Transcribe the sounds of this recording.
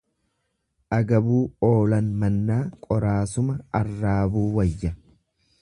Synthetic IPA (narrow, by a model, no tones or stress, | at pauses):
ʔɐɡɐbuːo̞ːlɐnmɐnːaːkʼɔɾaːsʊmɐɐrːaːbuːwɐjːɐ